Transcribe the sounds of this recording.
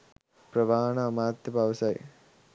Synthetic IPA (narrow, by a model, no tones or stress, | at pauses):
pɾɐʋaːɳɐmaːt̪jɐpaːʋɐsaːj̰